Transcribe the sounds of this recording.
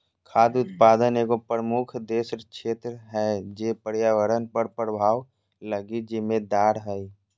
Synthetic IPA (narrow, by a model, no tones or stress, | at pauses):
kʰaːd̪ʊt̪̚paːd̪əneːkopɾəmʊkʰd̪eːʃɾəkʃeːt̪ɾəɦɛd͡ʒeːpəɾjaːʋəɾənpəɾpɾəbʱaːʋ | ləɡid͡ʒɪmed̪aːɽɦɛi